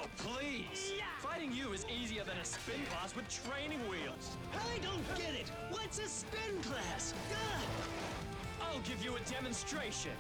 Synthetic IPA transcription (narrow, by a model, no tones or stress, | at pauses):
pʰl̥iz̥faɪɾɪ̃ŋjɨɨziziə˞ðɨ̃ñɨspɪ̃nkʰl̥æswɨð̥tʰɹ̥ẽɪ̃nɪ̃ŋwilˠz̥ | edõʊ̃nɡ̥ɛɾɪt̚ | wʌtsɨspɪ̃nkʰl̥æsɡ̥ʊ | aɪlˠɡɪvjɨədɛmɨ̃nstɹ̥eɪʃɨ̰̃n